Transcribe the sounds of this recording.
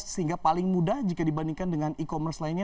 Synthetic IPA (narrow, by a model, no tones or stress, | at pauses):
səhiŋɡapalɪŋmudahd͡ʒikadibandiŋkandəŋanikomərslainɲa